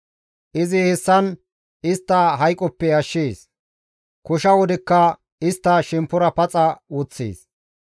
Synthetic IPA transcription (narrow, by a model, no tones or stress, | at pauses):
ʔɪzɪhɛsːɐn | ɪst̪ːɐɦɐjkʼːɔpːɛɐʃːeːs | kʊʃɐwɔd̪ɛkːɐ | ɪst̪ːɐʃɛmpːʊɾɐpɐt͡sʼɐwɔt͡sːḛːs